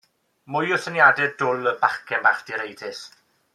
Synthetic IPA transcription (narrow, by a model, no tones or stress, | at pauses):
mʊjʊθənjadɛdʊləbakʰɛnbaχd̥iɾejdɪs